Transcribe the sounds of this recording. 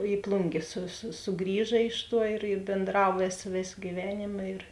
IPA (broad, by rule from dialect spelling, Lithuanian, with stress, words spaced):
ɪ ˈplˠʊŋʲɡʲeː sʊ sʊ sʊˈɡrʲiːʒɐ ˈɪʃ ˌtuɔ ɪr ɪ bʲeːnˈdrɐw ˈʋʲeːsɐ ˈʋʲeːsɐ ɡʲiːˈʋʲæːnʲeːmɐ ɪr